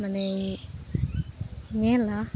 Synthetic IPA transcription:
mənẽ | ɲɛ̃la

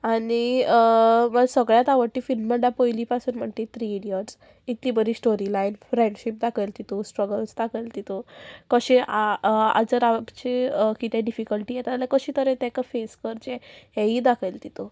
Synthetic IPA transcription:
aniəməɡsəɡɭjat̪aʋəɽʈ̪iːfilmməɳɖapojliːpasuːnm̤ət̪it̪ʰɾiɽiəɾs | it̪libəɾiːsʈoɾilainfɾẽɳɖɕip̚d̪akʰəjlt̪it̪osʈɾəɡəlsd̪akʰəjlt̪it̪okəɕĩʔaa̰d͡zəɾat͡ɕekit̪jɛɖifikəlʈiːjɛt̪alakəɕĩːt̪əɾɛ̃t̪ɛ̃kafeskəɾt͡ɕẽɦɛɦid̪akʰəjlt̪it̪o

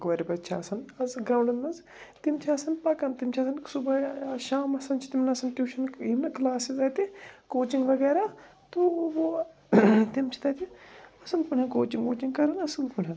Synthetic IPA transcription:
kʋɐɾibɐtːʃʰaːsɐnɐzɡɾãːɳɖɐnmɐnz | t̪imt͡ʃʰɐsɐnpɐkɐnt̪imt͡ʃʰɐsɐnsubɐʃaːmɐsɐnt͡ʃʰi̥t̪imnɐsɐnʈjuːʃɐniʋnɐklaːsizɐt̪ikoːt͡ʃiŋɡʋɐɡɛːɾa | t̪uʋo | t̪imt͡ʃʰi̥t̪ɐt̪iɐsɐnpunʲɐ̃koːt͡ʃĩŋɡkoːt͡ʃiŋɡkɐɾɐnɐsupunɦɐn

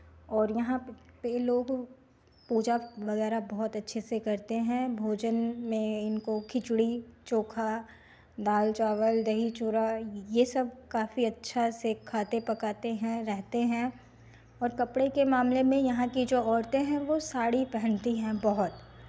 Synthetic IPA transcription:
ɔːɾjɐɦãpeloːɡ | puːd͡ʒaʋɐɣɛːɾabɔɦʊt̪ɐtːʃʰesekɐɾt̪eɦɛ̃bʱoːd͡ʒənmẽɪnkokʰɪt͡ʃɽit͡ʃoːkʰa | d̪aːlt͡ʃaːʋəld̪ɐɦit͡ʃʊɾajesɐb̚kaːfiɐtːʃʰasekʰaːt̪epɐkaːt̪eɦɛ̃ɾɛɦt̪eɦɛ̃ | ɔːɾkɐpɽekemaːmlemẽjɐɦãkid͡ʒoːɔːɾt̪ẽɦɛ̃ʋosaːɽipɛɦə̃nt̪iɦɛ̃bɐɦʊt̪

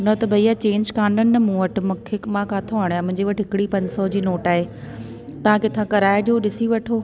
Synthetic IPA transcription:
nɐt̪ɐbʱɐijat͡ɕẽːɲd͡ʑkãːnɖənɪ̆nɐmũːɐʈ̆ʰmʊkʰeːkmãkaːt̪ʰoaːɽ̃jãmʊ̃ɦɪ̃ɲd͡ʑeʋɐʈɦɪkɪɽipɐ̃ɲd͡ʑsɔd͡ʑiːnoːʈaːɦe | t̪ɐʋ̤ãkɪt̪ʰãkɐɾaːeɗijoɗɪsiʋɐʈʰoː

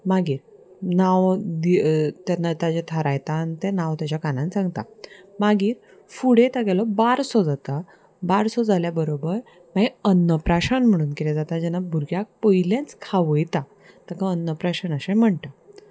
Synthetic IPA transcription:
maɡiːɾnawd̪it̪anːat̪ad͡ʑet̪ʰəɾajt̪ant̪ɛnawt̪jat͡ɕakanãnt͡sãŋɡt̪a̰maɡiːɾ | fuɽet̪aɡɛlɔbaɾsɔd͡zat̪a | baɾsɔd͡zaljabəɾobəɾ | maiənːəpɾaɕanm̤əɽ̃uːnkilɛd͡zat̪ad͡ʑɛnabʱuɾɡjak̚pəjilãnt͡skʰaʋəjt̪a | t̪akãənːəpɾaɕənəɕẽm̤əɳʈa

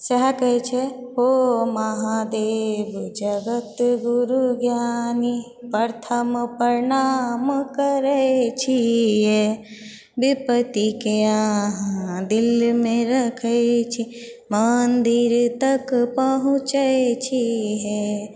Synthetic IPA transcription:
sɐɦkət͡ʃʰeɦomɐɦad̪eːbd͡ʒəɡət̪ɡuɾuɡjani | pəɾt̪ʰəmpəɾɪnaːmkəɾet͡ʃʰiɦe | bipət̪ikeaɦãd̪ɪlmẽɾɐkʰət͡ʃʰi | mənd̪iɾt̪ɐkpəɦũt͡ʃəet͡ʃʰiɦe

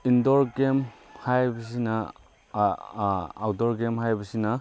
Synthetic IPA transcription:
indɔɾɡemhajbɐs̬inɐ | awdɔɾɡemhajbɐsinɐ

